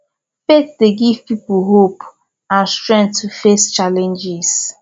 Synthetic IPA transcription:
fetdeɡivpipuɦop | ãnstɹɛ̃ntːufest͡ʃalɛ̃nd͡ʒɪs

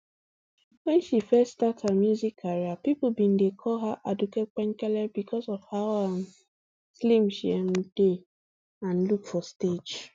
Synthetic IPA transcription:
wɛ̃nʃifɛtstatamjuzikʰaɹiapipl̩bĩn̩dekʰɔɦaʔadukek͡pɛ̃ŋkɛlɛbikɔzɔvhaʊam | slim̩ʃḭɛm̩d̥e | ãn̩lukfɔsted͡ʒ

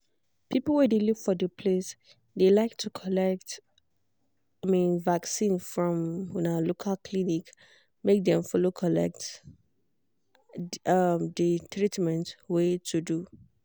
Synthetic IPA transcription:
pʰipl̩wɛdelukfɔdəpʰles | delaɪk̚tʰukʰɔlɛk̚t | amĩnvaksĩnfɹɔ̃mnalokʰalkʰlinik | mek̚dɛ̃mfɔlokʰɔlɛ̰k̚t | ʌmdətʰɹitmɛ̃ntwetʰudu

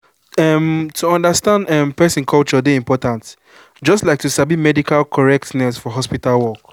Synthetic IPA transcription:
ɛmtʰuɔ̃ndəstãndɛmpɛsĩnkʰɔlt͡ʃɔdeĩmpɔtãnt | d͡ʒɔstlaɪk̚tusabimɛdikalkʰɔɹɛk̚tnɛsfɔɦɔspitalwɔk

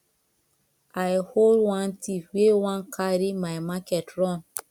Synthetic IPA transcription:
ajholdwãntʰifwewãnkʰaɾimajmakɛtɹɔ̃n

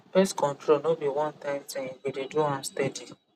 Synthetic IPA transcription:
fɛstkɔ̃ntɾonobiwɔ̃ntãmtɛ̃niwideduãstɛdi

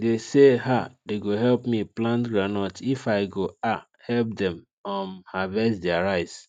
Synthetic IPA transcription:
deseɦadeɡoɦɛlpmiplãntɡɹanɔtifaɪɡoa | hɛlp̚dɛ̃m | ãmhavɛsdɛaɹaɪs

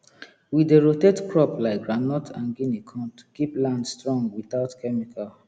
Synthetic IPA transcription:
wideɹotedkɹɔplaɪk̚ɡɹanɔtʰãnɡinikʰɔ̃tkiplãndstɹɔ̃ŋɡwiθaʊtkʰɛmikʰal

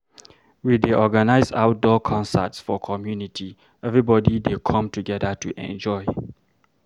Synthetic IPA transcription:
wideʔɔɡanaɪzaʊt̚dɔkʰɔ̃nsə̰tsfɔkʰɔmjunitʰi | ɛvɹibɔdidekʰɔ̃mtʰuɡɛdətʰuʔɛ̰̃nd͡ʒɔɪ

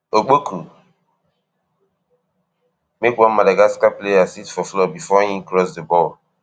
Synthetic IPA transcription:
ok͡poku | mekwɔ̃madaɡaskapleasitfɔflɔbifɔhĩmkɾɔsdəbɔl

